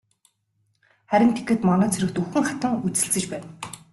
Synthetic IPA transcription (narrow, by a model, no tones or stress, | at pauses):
χæɾʲɪ̆nt̪ʰe̥kĕt̪mɔnœːt͡sʰɵɾɘ̆kt̪uxɘ̆ŋχat̪ə̆ŋut͡sɘ̆ɬt͡sɘ̆t͡ɕpæːn